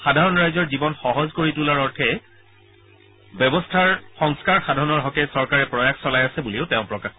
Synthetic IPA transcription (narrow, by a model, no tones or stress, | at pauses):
xadʱaɹɔnɹajzɔɹzibɔnxɔɦɔzkoɹitulaɹɔɹtʰɛ | bɛbɔstʰaɹxɔŋskaɹxadʱaɹɔnɔɹɦɔkɛsɔɹkaɹɛpɹɔjaxsɔlajasɛbuliʊtɛ̃ʊ̃pɹɔkax